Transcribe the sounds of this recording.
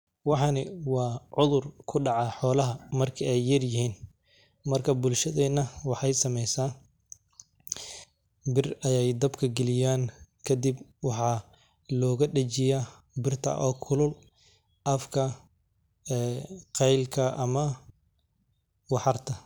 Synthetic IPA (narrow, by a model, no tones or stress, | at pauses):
wɑħɑnɪwɑːʕʊðʊrkʰʊɖɑʕɑħɔːlɐɦɐmɐrkʰɐɛjːɐrjɪɦiːn | mɐrkʰɐbʊlʃɐðɛnɐwɑħɑjsɐmɛjsaːn | bɪrɐjɛjd̪ɐbkʰɐɡɛlɪjaːnkʰɐd̪ibwɑħɑ | lɔːɣɐɖɐt͡ʃɪja | bɪrt̪ʰɐ̰ʔɔːkʰʊlʊl | ʔɐfkʰɐ | ɛːqɛjlkʰɐʔɐmɐ | wɑħɑrt̪ʰɐ